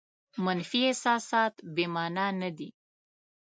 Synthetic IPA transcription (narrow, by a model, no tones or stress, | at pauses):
manfiesɑsɑt̪bemɑnɑnad̪i